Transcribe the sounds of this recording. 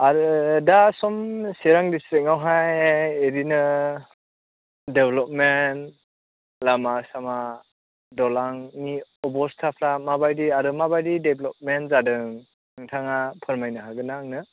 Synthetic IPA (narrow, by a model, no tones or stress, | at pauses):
aɾɯdasɔmseɾaŋdistɾiŋawɦajeɾinɯ | deblɔp̚men | lamasama | dɔlaŋniɔbɔstʰapʰlamabajdiaɾɯmabajdideblɔp̚menzadɯŋ | ɯŋtʰaŋapʰɯɾmajnɯɦaɡɯnaŋnɯ